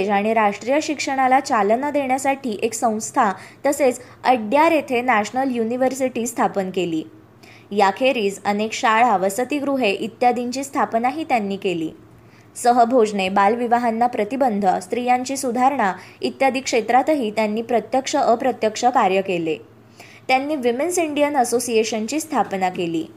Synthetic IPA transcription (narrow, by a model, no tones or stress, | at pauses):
d͡ʑaɽ̃iɾaʂʈɾijəɕikʂəɽ̃alat͡ɕalnad̪eɳjasaʈʰiːʔeksə̃w̃st̪ʰat̪əset͡s | əɖjaɾet̪ʰenæɕnəljuniʋəɾsiʈiːst̪ʰapənkelḭː | jakʰeɾiːd͡zənekɕaɭaʋəsət̪iɡɾuɦeʔit̪jad̪iɲt͡ɕiːst̪ʰapnaɦiːt̪janːiːkelḭː | səɦəbʱod͡ʑɳebalʋiʋaɦanːapɾət̪ibənd̪ʱəst̪ɾijãɲt͡ɕiːsud̪ʱaɾɳait̪jad̪ʱikʂet̪ɾat̪ɦiːt̪janːiːpɾət̪jəkʂəʔəpɾət̪jəkʂəkaɾjəkele | t̪janːiːʋimensiɳɖijənəsosieɕənt͡ɕiːst̪ʰapnakeliː